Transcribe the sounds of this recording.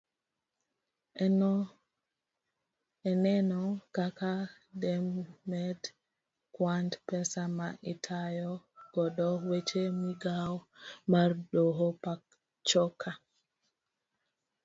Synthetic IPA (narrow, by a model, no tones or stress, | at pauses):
ɛnɛnɔkaka | dɛmːɛd | kwandpɛsama̰ʔitʰajɔɡ̥ɔdɔwet͡ʃemiɡawmaɾɗoɦɔpak | t͡ʃɔkʰa